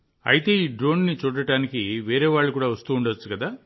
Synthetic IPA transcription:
ɐ̰jit̪e̞ːiːɖɾo̞ːnnit͡ʃuːɽɐʈaːnikiʋɛːɾeːʋaːɭːukuːɽaːʋɐst̪uːuɳɖɐt͡ʃːukɐd̪aː

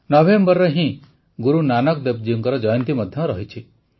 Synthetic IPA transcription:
nɔbembɔɾɔɦĩ | ɡuɾunanɔkd̪ep̚d͡ʒiuŋkɔɾɔd͡ʒɔjɔnt̪imɔd̪ʱjɔɾɔɦit͡ʃʰi

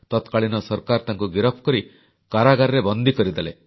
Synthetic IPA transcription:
t̪ɔt̪kaɭinɔsɔɾkaɾt̪aŋkuɡiɾɔpʰkɔɾi | kaɾaɡaɾɾebɔnd̪ʱikɔɾid̪elḛ

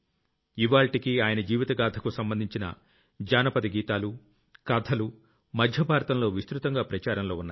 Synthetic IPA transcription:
iʋaːlʈikiaːjɐnɐd͡ʒiːʋit̪ɐɡaːd̪ʰʱɐkusɐmbɐnd̪ʱiɲt͡ʃinɐ̰ | d͡ʒaːnɐpɐd̪iɡiːt̪aːlu | kaːt̪ʰɐlu | mɐd̪ʱjɐbʱaːɾɐt̪ɐmlo̞ːʋist̪ɾut̪ɐŋɡaːpɾɐt͡ʃaːɾɐmlo̞ːunːaːj

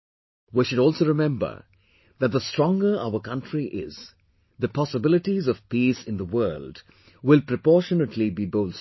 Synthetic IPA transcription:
wiʃʊɾɔːlˠsoʊɾɪmɛ̃mbə̰˞ | ðæt̚d̪əstɹ̥ɔ̃ŋɡə˞a̰ʊəkʌ̃ntɹiʔɪ̰z̥ | ðəpʰɑsəbɪlɪʈizʌv̥piːsɪ̃nðəwɜːld | wɪlpɾəpɔːʃənəʈʰlibiboʊls

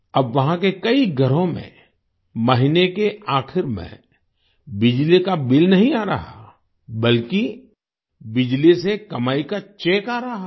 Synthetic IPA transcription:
ɐbʋɐɦãkekɐiɡʱɐɾõmḛ̃ | mɐɦɪnekeaːxʰɪɾmḛ̃ | bɪd͡ʒlikabɪlnɐɦĩaːɾɐɦa̰ | bɐlki | bɪd͡ʒlisekɐmaːikat͡ʃeːkaːɾɐɦa

